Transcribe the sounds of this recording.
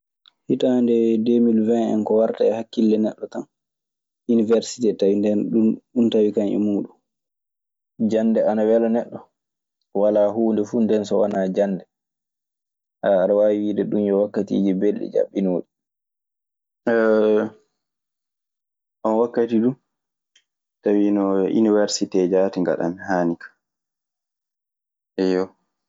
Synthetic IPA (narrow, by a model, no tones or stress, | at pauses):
hitandɛdemilvɛnɛ̰nkɔwaɾtaɛhakːilːɛnɛɗːɔtan | ʔunivɛɾsi̥tɛtawindɛnɗunɗuntawikaɲɛ̰muːɗum | d͡ʒanːdɛanawɛlɔnɛɗːɔ | walaɦuːndɛfundɛnsɔwanad͡ʒanːdɛ | haːɾwawiwiːdɛɗunjɔwakːatḭːd͡ʒibelːɛ̰d͡ʒa̰ɓːinoːɗi | ʔɔnwakːatiɗum | tawinɔʔḭniwɛɾsitɛd͡ʒaːtiŋɡa̰ɗa̰mhaːnikʰḁ | ʔɛjɔ